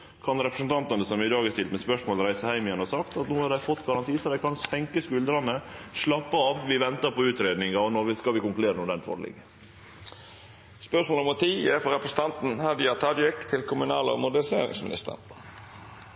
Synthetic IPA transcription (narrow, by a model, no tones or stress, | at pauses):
kʰɑnɾɛpɾəsən̩t̪ʰɑnt̪ɑnəsɔmɪd̪ɑːɡəst̪ɪlt̪mɛspœʂmoːlɾæɪsəhæɪmɪənɑsɑkt̪ɑt̪noːhɑɾɖæɪfɔt̪ːɡɑɾɑnt̪ʰiːsɔd̪æɪkʰɑnsɛŋkəskʉld̪ɾɑnəʂɭɑpːəɑʋʋɪʋɛnt̪əɾpʰɔʉːt̪ɾeːd̪nɪŋɑnɔɾʋɪskɑlʋɪkʊŋkʉleːɾənɔɖd̪ɛnfɔ̰ɾ̰lɪ̰ɡːə | spœʂmoːlɔmɔt̪ʰiːəfɔɾɛpɾəsən̩t̪ɑnt̪n̩hɑd̪ɪɑt̪ʰɑd̪jɛkt̪ʰɪlkʰʊmʉnɑ̰ːlə̰ɔ̰mʊd̪æɾnɪsḛːɾɪ̰ŋsmɪ̰nɪ̰st̪ə̰ɾn